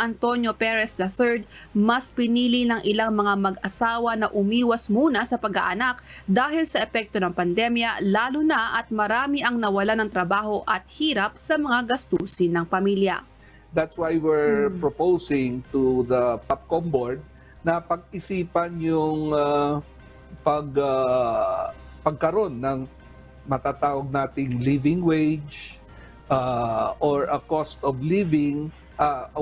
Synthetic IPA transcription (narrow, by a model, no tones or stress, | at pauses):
ʔɐnt̪o̞njo̞pɛɹɛsd̪ɐθɛɹd̪̚ | mɐspɪniːlinɐŋʔɪlaŋmɐŋamɐɡʔɐsaːwɐnɐʔʊmiːwɐsmuːnɐsɐpɐɡa̰ʔɐnak̚d̪aːhɪlsɐʔɛpɛk̚t̪o̞nɐŋpɐnd̪ɛmjɐlaːlʊnɐʔɐt̪̚mɐɾaːmiʔɐŋnɐwɐlanɐŋt̪ɾɐbaːho̞ʔɐt̪̚hiːɾɐp̚sɐmɐŋaɡɐst̪uːsɪnːɐŋpɐmiljɐ̰ | d̪at̪swajwiɹpɹopowsɪŋt̪uðɐpap̚kɔmboɹd̪̚ | nɐpɐɡ̚ɪsiːpɐnjʊŋa | pɐɡɐ | pɐɡ̚kɐɾo̞nːɐŋ | mɐt̪at̪aːwɐɡ̚naːt̪ɪŋlivɪŋwejd͡ʒ | ʔaʔoɹɐkost̪ɔvlivɪŋ | ʔa